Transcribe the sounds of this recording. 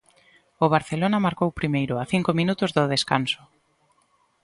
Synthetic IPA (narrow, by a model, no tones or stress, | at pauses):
ʊβ̞aɾθelonɐmaɾkowpɾimejɾʊaθiŋkominut̪ʊzðʊðeskansʊ̥